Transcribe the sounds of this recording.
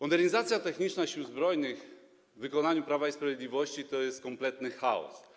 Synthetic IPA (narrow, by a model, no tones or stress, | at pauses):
mɔd̪ɛɾɲizat̪sʲjat̪ɛxɲit͡ʂnaɕiuzbɾɔjnɘx | vɘkɔnaɲupɾavaispɾavjed̪lʲivɔɕt͡ɕit̪ɔjɛst̪̚kɔmplɛt̪nɘxaɔ̰s